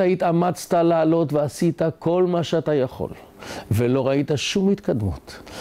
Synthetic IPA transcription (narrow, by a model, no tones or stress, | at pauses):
aitamat͡st̪alaːlo̞tveasit̪ako̞lmaʃeatajaχo̰l | velo̞ʁait̪aʃumhit̪kad̪mṵt̪